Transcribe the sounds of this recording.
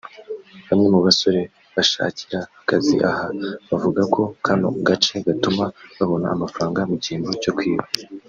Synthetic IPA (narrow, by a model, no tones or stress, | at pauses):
βamɲemuβaso̞ɾe̞ | βaʃa̰ːci̥ɾahakazḭʔahaβavuɡakʰo̞kʰano̰ɡat͡ʃe̞ɡatumaβaβo̞naːmafɾaːŋɡamuɟiːnboco̞kwiːβa